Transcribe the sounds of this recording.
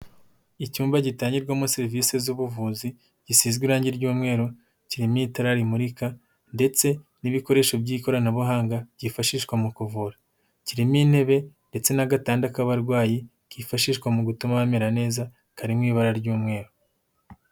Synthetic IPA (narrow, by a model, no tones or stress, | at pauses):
icuːmbaɟitaːɲɟiɾɡwamuseɾvisezuβuvuːzi | ɟ̥isiːzɡwiɾaːɲɟiɾɟuːmŋe̞ːɾo | ciɾimiːtaɾaɾimuɾika | nde̞t͡se̞niβiko̞ɾe̞ːʃobɟiːko̞ɾanaβuɦaːŋɡḁɟifaʃiʃkwamukuvuːɾa | ciɾimin̥he̞βe̞nde̞t͡se̞naɡataːndakaβaɾɡwaːji | kifaʃiʃkwamuɡutumaβameɾane̞ːza | kaɾimŋiːβaɾaɾɟuːmŋe̞ːɾo